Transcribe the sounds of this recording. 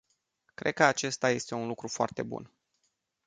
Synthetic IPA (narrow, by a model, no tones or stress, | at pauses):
kɾʔe̞d̪̚kəat͡ʃe̞st̪aje̞st̪e̞unlukɾufoa̰rt̪e̞bṵn